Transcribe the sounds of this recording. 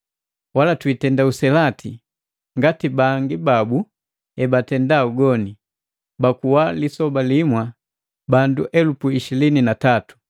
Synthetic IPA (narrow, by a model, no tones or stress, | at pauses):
walatwitɛndausɛlatʰi | ŋɡatibaŋɡibabu | ɛbatɛndauɡɔni | bakuwalisɔbalimwa | banduʔɛlupuiʃilininatatu̥